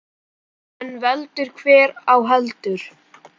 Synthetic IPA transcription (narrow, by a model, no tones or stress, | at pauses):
ɛnvɛlt̪ʏɾ̥kʰvɛːɾawɦɛlt̪ʏɾ̥